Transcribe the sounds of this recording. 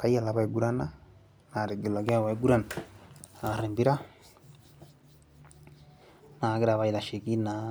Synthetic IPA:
ka˦ia˨laβa˨eɡuɾa˦na | na˨ɾe˨ɡe˨la˨ɣja˦βa˨eɡu˦ɾa˨naa˨aɾe˨mbi˦ɾa˦ | na˨ɣe˦ɾaβa˨ila˨ʃi˨ki˦na

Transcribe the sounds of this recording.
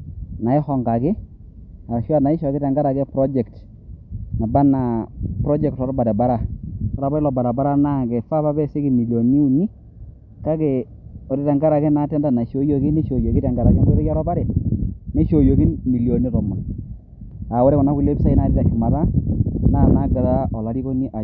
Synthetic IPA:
na˨ɪ˦xɔ˨ŋɡa˨kɪ˦ | a˨ʃwa˦˨na˨i˦ʃɔ˨kɪ˦tɛ˨ŋɡa˦ɾa˨kɛ˦pɾɔ˦d͡ʒɛ˨kt | na˨ba˦na˨pɾɔ˦d͡ʒɛ˨k̚tɔ˨ɾɔ˦ba˨ɾɛ˨ba˦ɾa˦˨ɔɾa˨ba˦ɪ˦lɔ˨ba˨ɾa˨ba˦ɾa˦na˦˨kɛ˨fa˦pa˦bɛ˦se˦ki˨mi˨ljo˨ni˦u˨ni˦ | ka˦ke˨ | ɔ˨ɾɛ˦tɛ˨ŋɡa˦ɾa˨kɛ˦na˦tɛ˦nda˦˨na˨ʃo˦jo˦ki˦ne˦ʃo˨jo˨ki˦tɛ˨ŋɡa˨ɾa˨kɛ˦dɾe˦ja˦ɾɔ˦ba˦ɾɛ˨ne˦ʃo˨jo˨ki˦nmi˨ljo˨ni˦tɔ˨mɔ˨n | a˨wɔ˦ɾɛ˦kɔ˨na˨˦ku˦le˦bi˦sa˦i˦na˨ti˦ta˨ʃu˨ma˨ta˦na˦˨na˦ɡɪ˨ða˦ʔɔ˨la˨˦ɾi˦ko˦ni˦ʔa˨

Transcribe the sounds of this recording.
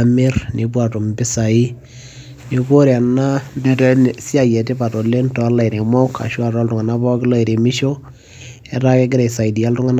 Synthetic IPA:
mɪ˦rni˨p̬wa˨to˨mbɪ˦sa˨i˦ | ni˨ko˦ɾja˨na˦di˦tnsi˦a˨jɛ˨te˦pa˨to˨le˦ntɔ˨˦la˨i˨ɾe˨mɔ˦kʰa̰˨ʃwa˦˨ta˦ltʊ˨ŋa˨na˦bɔ˦kɪ˦lɔ˦i˨ɾe˨mɪ˦ʃo˦ | ɛ˨ɾa˦ke˦ɡɪ˦ɾe˨sa˨i˨di˨a˦ltʊ˦ŋa˦n

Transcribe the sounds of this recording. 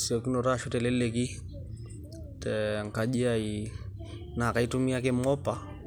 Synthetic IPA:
si˨ɔki˦nɔ˨ɾaʃu˦tɛlɛ˦lɛk̬i˦ | tɛŋ˨ka˨ʄi˦ai | na˨ka˨i˦tumi˦a˦kɛ˦mɔ˦pa˨

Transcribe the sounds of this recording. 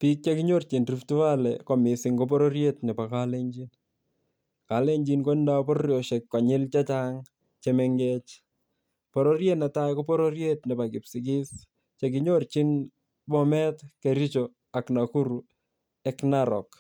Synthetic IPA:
pi˦k̚t͡ʃekiɲo˦rt͡ʃi˨nriftu˦wa˦lɛ̰ko˨mɪsɪŋkop̬ɔɾoɾjetnɛ˨pa˨kale˦ɲd͡ʒin | ka˨le˦ɲd͡ʒinko˦nda˦po˦ɾjo˨ʃekːka˨ɲɪ˦lt͡ʃa˦t͡ʃaŋ | t͡ʃemeŋɡet͡ʃ | pɔ˨ɾorjena˨ta˦jko˦pɔ˦ɾo˦ɾjetnɛ˨pa˨kɪ˨psi˨k̬ɪ˦s | t͡ʃek̬ɪɲort͡ʃi˦n | mɔ˦mɛtkeɾi˦t͡ʃo | a˨knaku˦ɾu | ɛ˦knaɾɔ̰˨k

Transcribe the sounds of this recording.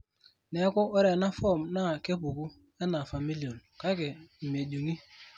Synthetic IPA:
ne˨˦kʊ˦o˦ɾe˨na˦fɔ˦˨mna˦˨ke˦pu˨ku˦ | e˦na˨fa˨mi˦li˨o˨nka˦kɪ˨m̩˨m˨e˨du˨ŋi˦

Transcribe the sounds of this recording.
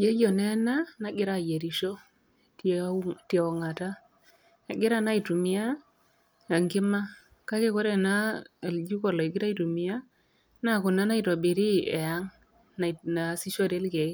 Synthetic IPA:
je˦jo˨nɛ˦na˦na˦ɡɪ˦ɾa˨je˨ɾi˨ʃo˦ | ttɔ˨ŋa˨ta˦ | na˨ɡɪ˦ɾa˦na˦i˨tu˨mɪ˦a˦ | a˨ŋɡɪ˦ma˦ | ka˦ke˦ko˦ɾe˦˨na˦˨ld͡ʒu˦kɔ˨lɔ˨i˨ɡɪ˦ɾa˦i˨tu˨mi˨ja˦ | na˦˨kʊ˨na˨˦na˦i˨to˨bi˨ɾi˦ɛ˨a˦ŋ | na˨na˨si˦ʃo˦˨ɾe˦lke˨i˦

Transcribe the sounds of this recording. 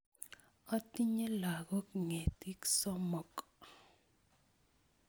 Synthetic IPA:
ɔ˦ti˦ɲe˦la˨ɡɔ˦kŋe˨t̪i˦ksɔ˦mɔ˨k

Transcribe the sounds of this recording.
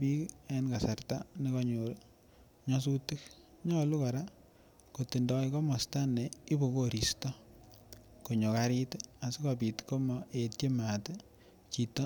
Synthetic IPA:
pi˦kenka˨sa˨rta˦ni˦kɔɲu˨ɾ | ɲɔ˦s̬u˦ti˦k̚ | ɲɔ˦lu˦kaɾa˦ | ko˨ti˨ndɔ˦ikɔ˦mɔ˨sta˦ne˨i˦bo˨ko˨ɾi˨stɔ˦ | ko˨ɲo˨kaɾita˨si˦kɔpi˨tko˦mɔetje˦mate | t͡ʃi˨tːɔ˦

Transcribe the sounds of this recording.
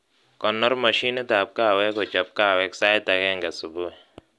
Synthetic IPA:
kɔ˨nːɔ˦rma˨ʃi˦ne˦t̪a˨p̚ka˦˨wɛ˦kɔ˨t͡ʃa˨p̚ka˦˨wɛ˦ksa˦jt̪a˨kɛ˦ŋɡa˨su˨bu˦˨

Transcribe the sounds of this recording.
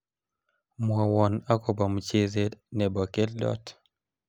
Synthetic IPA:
mwɔ˨wɔ˨na˦kɔ˨ba˨m˨t͡ʃe˦ze˦nɛ˨bɔ˨ke˦llɔ̰˦t

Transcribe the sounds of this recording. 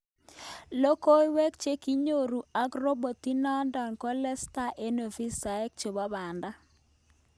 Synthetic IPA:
lo˦ko˦i˦wɛ˦k̚t͡ʃe˦ki˦ɲo˦˨ɾu˨a˨˦ɡɾo˦bo˨ti˦nɔ˦ndɔ˨nko˦lɛ˦sta˦ʔe˦no˨fi˦sa˨e˦k̚t͡ʃo˨ba˦ba˨nda˦

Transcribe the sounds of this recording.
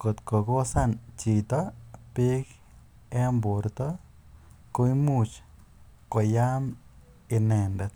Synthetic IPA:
ko˧t̪ko˨ɡo˦sa˦nt͡ʃi˧t̪o˦pi˦k | e˦mbu˨ɾt̪o˦ | ko˧jmu˦˧t͡ʃ | ko˨ja˦m | i˧ne˧nɾe˧t̪̚

